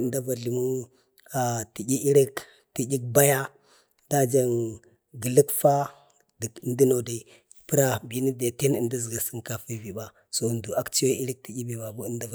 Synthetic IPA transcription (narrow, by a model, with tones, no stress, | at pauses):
nda˦va˨ɮi˨mu˦n | a˨ti˨ɟʲi˦ʔi˦ɾi˦k | ti˨ɡi˦k̚ba˦ja˦ | d̥a˦d͡ʒa˦n | ɡə˨lə˦kfa˦ | də˨kndi˦no˨da˨ | pə˦ɾa˦bi˨˦ni˦de˨ti˦nə˦˨ndi˦zə˨ɡa˨sə˦ŋka˨fi˦vi˨ba˦ | so˨ndu˨a˦kt͡ʃi˦jo˦i˦ɾi˦k̚ti˨ɡʲi˦bi˨ba˨bu˦nda˦v